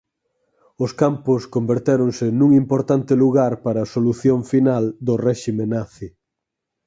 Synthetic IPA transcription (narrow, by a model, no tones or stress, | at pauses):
ʊskampʊskombeɾt̪eɾoŋsenũŋimpoɾt̪ant̪ɪluɣaɾpaɾɐːsoluθjoɱfinald̪orɛʃimenaθi